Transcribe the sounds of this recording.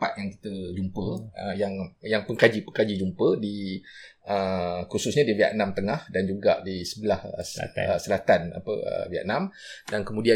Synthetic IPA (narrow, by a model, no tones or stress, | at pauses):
pat̪̚jaŋki̥t̪əd͡ʒumpəəjaŋjaŋpəŋkad͡ʒipəŋkad͡ʒid͡ʒumpədi | əkususɲãdivia̰ʔ̪̚nãmt̪əŋahdand͡ʒuɡa̰ʔdisəbəlahəəsəlat̪ana̰pə̰ə̰via̰t̪̚nãmdankəmũdia